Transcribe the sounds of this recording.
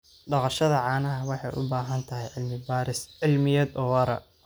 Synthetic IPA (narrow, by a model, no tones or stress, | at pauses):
ɖɑqɑʃɐðɐʕɑːnɐɦɐwɑħɑjʔʊ̰baːɦɐnt̪ʰɐɦɛjʕɪlmɪbaɾɪsʕɪlmɪjɐd̪ɔːwɐɾɐ̰